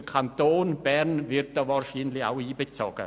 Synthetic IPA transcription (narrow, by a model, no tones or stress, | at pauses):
kʰantʰoːnbɛrnvɪrt̚dɔvarʃiːnlɪça̰wiːbət͡so̰ːɡə̰